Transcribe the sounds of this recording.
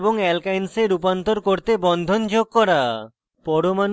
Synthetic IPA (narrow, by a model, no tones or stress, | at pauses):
boŋɛlkajnseɾup̬ant̪oɾkoɾt̪ebɔnd̪ʱond͡ʑoɡ̚kɔɾa | pɔɾoman